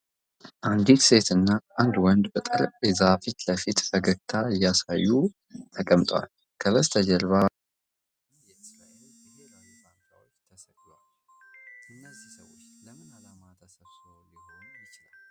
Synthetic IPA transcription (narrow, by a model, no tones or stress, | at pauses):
ʔand̪ikse̞t̪ɨnːaand̪wɔnd̪bət̪ʼəɾəkʼezafit̪ləfit̪fəɡəkt̪ʰaɨjːasajːu | t̪ʰəkʼəmt̪ʼwa̰l | kʰəβəzt̪ʰəd͡ʒəlβa | jɛʔɨsɾaʔel | ihelalsʰant̪awot͡ʃːt̪ʰəsəkʼ | al | ʔɨnːəzisəwot͡ʃːləmɨnalamat̪ʰəsəβsɨɾolinonjɪt͡ʃɪlall